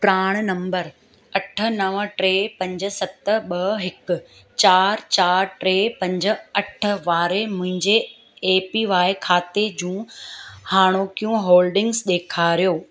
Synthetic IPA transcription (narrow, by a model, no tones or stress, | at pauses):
pɾaːɽ̃nɐ̃mbəɾ | ɐʈʰə̆nɐʋə̆ʈɾeːpɐ̃ɲd͡ʑ̆sɐt̪ɓɐɦɪkʊ̆ | t͡ɕaːɾt͡ɕaːɾʈɾeːpɐ̃ɲd͡ʑə̆ɐʈʰə̆ʋaːɾemʊ̃ɦɪ̃ɲd͡ʑeː | piʋaːɪkʰaːt̪ed͡ʑũːhaːɽ̃oːkijũɦoːlɖɪ̃ŋɡzɗ̪eːkʰaːɾijoː